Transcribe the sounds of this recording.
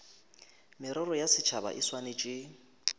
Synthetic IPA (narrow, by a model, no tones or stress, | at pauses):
mɪɾɔɾɔjasɪt͡ʃʰaba̰ʔɪswanet͡ʃʼɪ